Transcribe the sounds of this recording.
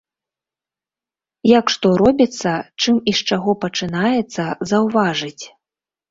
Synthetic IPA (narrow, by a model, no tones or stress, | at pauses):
jakʂt̪ɔɾɔbʲit̪sːɐt͡ʂɨmiʂt͡ʂaɣɔpɐt͡ʂɨnajɛt̪sːɐzɐwvaʐɨt͡sʲ